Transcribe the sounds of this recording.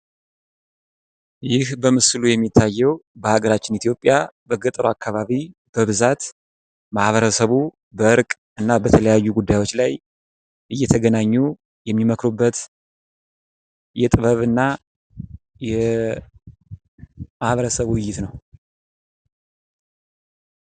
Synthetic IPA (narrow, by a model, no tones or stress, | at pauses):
jɪhbəmɨslujɛmːit̪ʰːajːɛwbəhaɡəɾat͡ʃːɪnit̪ʰijo̞pʼːjabəɡət̪ʼɾoakːaβaβib̥əβɨzat̪ | mahβəɾəsəβu | bəɨɾkʼ | ɨnːabət̪ʰələjajːuɡud̪ːajwo̞t͡ʃːlaj | ʔɨjːɛt̪ʰəɡənaɲːu | jɛmːiməkɾubːət̪ | jɛt̪ʼɨβəβɨnːa | jɛ | mahβəɾəsəβwʊjːɪt̪nəw